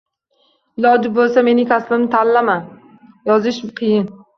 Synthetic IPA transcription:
ɪlɒd͡ʒɪp̚bolˠsame̞nɪkʲʰaslɪmnɪt̪ʰallːaman | jɒzɪʃmqʰɨjɪn

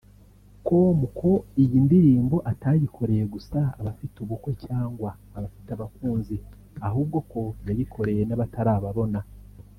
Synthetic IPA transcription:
ko̞mukʰo̞ijindiɾiːmbo̞ʔatajikʰo̞ɾe̞jeɡusaa̰βafituβukwe̞caːŋɡwaːβafiteaβakuːnzi | aɦuːb̚ɡo̞ko̞jajikʰo̞ɾe̞jenaβatʰaɾaːβaβo̞na

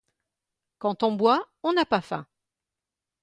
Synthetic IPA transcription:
kɑ̃t̪ɔ̃bwa | ɔ̃napafɛ̰̃

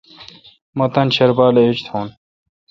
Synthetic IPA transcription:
mɐt̪ɐnɕɐɾbaːleit͡ɕt̪ʰoːn

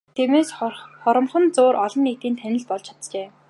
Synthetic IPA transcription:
t̪ʰiːmeːsχɔɾə̆mχə̆nt͡sʊːɾʔɔɮɞ̆nːikt̪iːnt̪ʰænʲɪ̆ɮpɔɮt͡ɕʰḁt̪t͡ɕeː

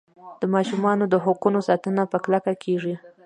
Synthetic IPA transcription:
d̪̥əmɑʃumɑnod̪əɦʊqunosɑt̪ənapəklakakʰeʐi

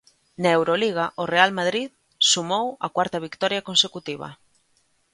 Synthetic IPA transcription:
naewɾoliɣ̞aʔorealmað̞ɾið | sumowɐkwaɾt̪ɐβikt̪ɔɾjɐkonsekut̪iβ̞ɐ̰

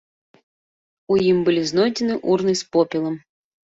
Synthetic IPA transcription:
ujimbɨlʲiznojdʲɪnɨʔurnɨjspopʲɪlˠəm

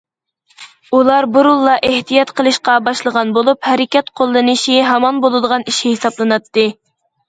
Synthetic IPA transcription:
ulˠɑɾbuɾulˠːɑʔeht̪ijɑt̪qəlˠɨʃqɑbɑʃlˠəʁɑnbolˠuphæɾɪkʲɛt̪qʰolˠːɨnɨʃiɦɛmɑnbolˠɨd̪əʁɑniʃhesɑblˠɨnɑt̪ːɨ

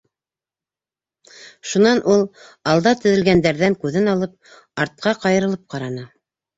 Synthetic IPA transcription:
ʃunɑnʔulˠɑlˠd̪ɑt̪ɵ̆ðɘ̆lɡænd̪æɾðæŋkʉðɘnɑlˠɤp̚ | ɑɾt̪̚qɑqɑjɤ̆ɾɤ̆lˠɤp̚qɑɾɑnɤ

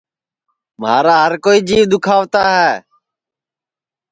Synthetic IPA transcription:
ma̰ːɾaːɦəɾkoːiːd͡ʒiːʋd̪ʊkʰaːʋt̪aːɦɛː

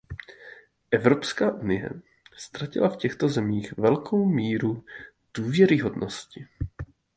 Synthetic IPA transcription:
ʔɛvɾo̞pskaːʔunɪjɛ̰ | st̪ɾacɪ̰lafcɛxt̪o̞zɛmiːxvɛlkʰo̞wmiːɾu | d̥uːvjɛɾɪɦo̞dnʔo̞scɪ

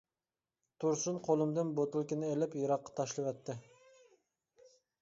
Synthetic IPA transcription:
t̪ʰuɾsunqʰolˠɨmd̪ɨnbot̪ɨlˠkʲinɪelɪpjɑɾɑqːɑ̥t̪ʰɑʃlˠɨwɛt̪ʰːɪ

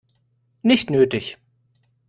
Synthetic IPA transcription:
nɪçtnøːtɪç

